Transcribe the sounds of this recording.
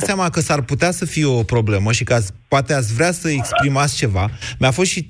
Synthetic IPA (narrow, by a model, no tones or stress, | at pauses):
seamakəsarput̪easəfijeo̞pɾo̞ble̞məʃikəaspoat̪e̞at̪s̬ʲvɾeasəekspɾimast͡ʃe̞vamʲafo̞st̪ʃi